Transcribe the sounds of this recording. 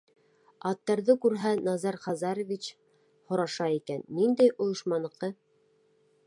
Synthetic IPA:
ɑt̪ːɑɾðɤkʉɾɦænɑzɑɾχɑzɑɾŏvʲit͡ɕ | hŏɾɑʃɑikænːind̪æjʔŏjɤ̆ʃmɑnɤ̆qɤ

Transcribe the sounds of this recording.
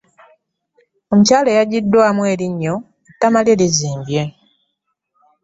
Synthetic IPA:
o̞mucaːle̞jaɟidːwaːmwe̞ːɾiɲːo̞ | etːamaljeliziːmbje̞

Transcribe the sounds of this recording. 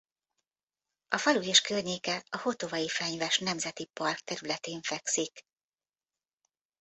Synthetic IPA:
ʔɒfɒlujeʃkørɲeːkɛɒho̞t̪o̞vɒjifɛɲvɛʃnɛmzɛt̪ipɒrkt̪ɛɾylɛt̪eːɱfɛksik

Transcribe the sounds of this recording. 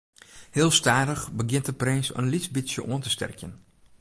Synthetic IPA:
hɪːlˠstaːdəxbəɡjɪnt̚dəprɛnsə̰nlisbisjəʔuəntəstɛ̰rkjən

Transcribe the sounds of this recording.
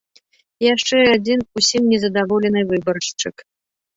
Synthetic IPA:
jaʂt͡ʂɛad͡zʲinusʲimnʲɛzɐd̪avɔlʲɛnɨvɨbɐrʂt͡ʂɨk

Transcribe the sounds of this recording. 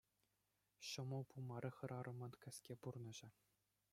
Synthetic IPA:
ɕɤ̆mɤ̆pumɑɾʲɤ̆χɤ̆ɾʔɑɾʔɤ̆mɤ̆nkʲɘ̆sʲkʲepurnɤ̆ʑɘ̆

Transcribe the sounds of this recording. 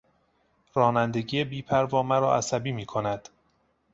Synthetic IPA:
ɾɒːnænd̪e̞ɟiːebiːpʰæɾvɒːmæɾɒːʔæsæbiːmiːkʰo̞næd̪̥

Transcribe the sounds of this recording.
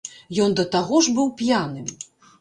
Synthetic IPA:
jɔnd̪ɐt̪aɣɔʐbɨwpʲjanɨm

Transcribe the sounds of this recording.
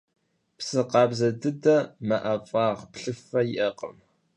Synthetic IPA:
psɨqɑːbzɐdɨdɐmɐʔɐfʼɑːʁpɬɨfɐjɪʔɐqə̰m

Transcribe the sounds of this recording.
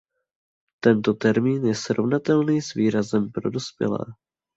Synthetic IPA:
t̪ɛnt̪o̞t̪ɛɾmiːnjɛsɾo̞vnat̪ɛlniːsviːɾazɛmpɾo̞dospjɛ̰lɛ̰ː

